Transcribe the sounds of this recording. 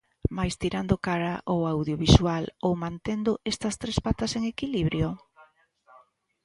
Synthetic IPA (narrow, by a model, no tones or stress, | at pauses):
majst̪iɾand̪okaɾaʔowawðjoβiswalowmãnt̪end̪ʊest̪ɐst̪ɾespat̪aseŋekiliβɾjo